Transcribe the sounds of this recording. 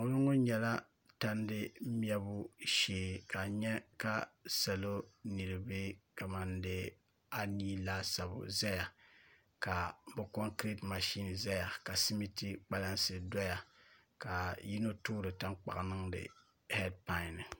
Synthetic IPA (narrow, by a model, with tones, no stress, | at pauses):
o˦lʊ˦ŋo˦ɲɛ˨la˦ | ta˦n˦dɨ˦mi˦ɛ˦bʊ˦ʃeː˨ka˨ɲɛ˦ka˦sɛ˨lo˦nɨ˨ɾɨ˨bɨ˦ka˨ma˨ndɨ˦ | a˦niː˦laː˦sa˨bʊ̰˨za˦ja˨ | ka˨bɛ˨ko˦ŋkɾi˦tma˨ʃi˦n˨za˦ja˨ka˨si˦mi˦ti˦k͡pa˦la˦nsɨ˦dɔ˦ja˨ | ka˨ji˦no˦tuː˦ɾɨ˨ta˦ŋk͡pa̰˨ʔnɨ˦ŋdɨ̰˨ | hɛ˦d̚pa˦ɪ˨nɨ˨